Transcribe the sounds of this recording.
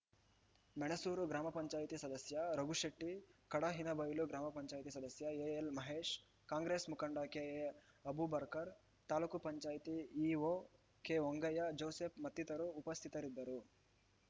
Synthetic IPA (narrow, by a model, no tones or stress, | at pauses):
mɐɳesuːɾuɡɾaːmɐpɐɲt͡ʃaːjt̪isɐd̪ɐsjɐɾɐɡuʂeʈːikɐɽɐɦinɐbɐjuluɡɾaːmɐpɐɲt͡ʃaːjt̪isɐd̪ɐsjɐeːelmɐɦeːʂ | kaːŋɡɾeːsmukɐɳɖɐkeːe | ɐbubɐɾkɐɾ | t̪aːlukupɐɲt͡ʃaːjt̪iiːʋoː | keːʋoŋɡɐjɐd͡ʒowseːpmɐt̪ːit̪ɐɾuːpɐst̪ʰit̪ɐɾid̪ːɐɾu